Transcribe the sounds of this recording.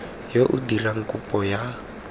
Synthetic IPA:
joʔudilaŋ̩kʼupʼɔja

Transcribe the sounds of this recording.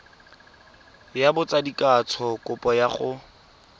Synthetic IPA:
jabʊt͡sadikʼat͡sʰɔkʊpʼɔjaχʊ

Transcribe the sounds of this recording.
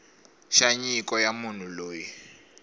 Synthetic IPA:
ʃaɲikʼɔjamun̤uloːjɛ

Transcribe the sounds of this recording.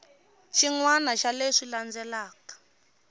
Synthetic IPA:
ʃiŋwanaʃaleʂiland͡zɛlaːkḁ

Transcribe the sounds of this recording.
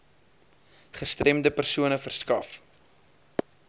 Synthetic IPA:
χəstrɛmdəpərsuənəfərskɐf

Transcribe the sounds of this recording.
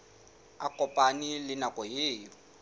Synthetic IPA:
akɔpʼanilɪnakʼɔjeːjɔ

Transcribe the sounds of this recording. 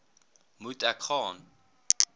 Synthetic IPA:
mutʼakʰɔn

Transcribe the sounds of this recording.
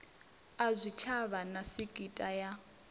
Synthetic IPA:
azʷit͡ʃʰaβanasiɡ̥ʱitʼaja

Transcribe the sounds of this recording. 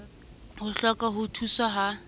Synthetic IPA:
hʊɬɔkɔɦʊtʰusaɦa

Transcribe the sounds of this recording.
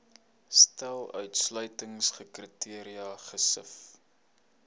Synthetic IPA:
stælˠœ̰ɥtslœɥtəŋsχəkritiəɾiɐχəsəf

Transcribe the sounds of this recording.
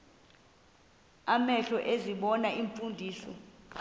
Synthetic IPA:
amɛɬɔʔeziɓɔnaiɱfundʱiːsɔ̰

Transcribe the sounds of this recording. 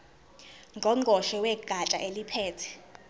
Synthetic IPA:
ŋɡʱɔŋʱɔʃɛwɛɡ̥ʱat͡ʃʼa̰ʔelipʰɛːtʰɛ̥

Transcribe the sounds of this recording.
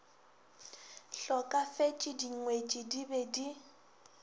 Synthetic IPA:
ɬɔkʼafet͡ʃʼɪdiŋ̩ŋwet͡ʃʼɪdibedi

